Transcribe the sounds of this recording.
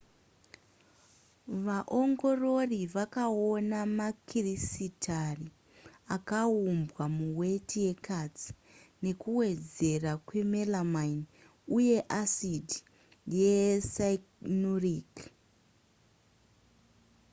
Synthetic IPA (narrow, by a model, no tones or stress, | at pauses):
ʋaʔo̞ŋɡo̞ro̞riʋakao̞namakirisitʰari | akaumbwamuwe̞tʰije̞kat͡si̥ | ne̞kuwe̞d͡ze̞rakwe̞melamaini | uje̞ʔasidi | jesaiknorik